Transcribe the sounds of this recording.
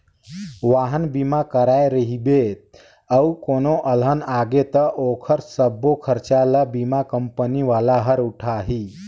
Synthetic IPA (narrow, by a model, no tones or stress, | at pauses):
ʋaɦənbimakəɾajɾəɦibet̪ | əukonoʔəlɦənaːɡet̪əʔokʰəɾsəbːokʰəɾt͡ʃaləbimakəmpəniʋalaɦəɾuʈʰaɦiː